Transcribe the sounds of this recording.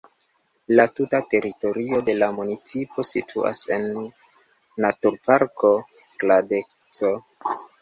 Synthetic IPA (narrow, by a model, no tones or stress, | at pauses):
latutate̞ɾito̞ɾio̞de̞lamunit͡sipʰo̞sitʰua̰se̞nː | atuɾpaɾko̞kladek | t͡so̞